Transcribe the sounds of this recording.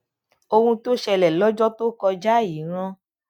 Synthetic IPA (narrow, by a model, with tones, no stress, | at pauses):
o˧hũ˧to˦ʃɛ˧lɛ˨lɔ˦d͡ʒɔ˦to˦kɔ˧d͡ʒa˦˨i˨˦ɾ̃ã˧˦